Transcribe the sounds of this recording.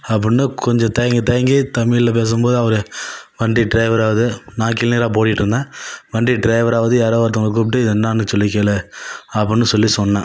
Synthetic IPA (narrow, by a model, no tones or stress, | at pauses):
ɐpːɐnːɯkɔɲd͡ʒɔ̃t̪ɐjɐŋɡit̪ɐjɐŋɡit̪ɐmiːlɪlɐp̬eːs̬ɯmboːðɯɐʋɐɾɯʋɐɳɖiɖɾɐɪʋɐɾaːʋɐðɯnãːkɪlniːɾaːp̬oːʈɪʈːɯɾɯnd̪ãːʋɐɳɖiɖɾɐɪʋɐɾaːʋɐðɯjaːɾɐʋɐːɾt̪̬ːɯŋɐɭɐk̬uːp̚ʈːɯɪðɛnːaːnːɯsɔlːɪkːeːlɛɐpːɐɳːɯsɔlːisɔnːãː